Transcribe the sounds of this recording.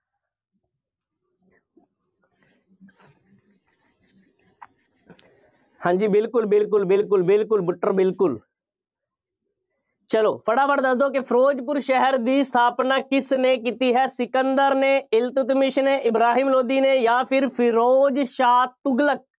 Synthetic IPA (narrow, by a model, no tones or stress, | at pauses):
hãːɲd͡ʒiːbɪlkʊlbɪlk̬ʊlbɪlkʊlbɪlkʊlbʊʈːəɾbɪlkʊl | t͡ʃəloːpʰəɽaːpəɽd̪əsd̪oːkɪpʰəɾoːd͡ʒpʊɾʃɛɦəɾd̪iːst̪ʰaːpnaːkɪsneːkiːt̪iːɦɛːsɪkənd̪əɾneːɪlt̪ʊt̪mɪʃneːʔɪbɾaːɦiːmloːd̪iːneːjãːpʰɪɾpʰɪɾoːd͡ʒʃaːt̪ːʊɡlək̚